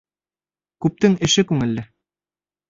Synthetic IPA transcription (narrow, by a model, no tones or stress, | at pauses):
kʉp̚t̪ɘŋɘ̆ʃɘkʉŋɘ̆lːɘ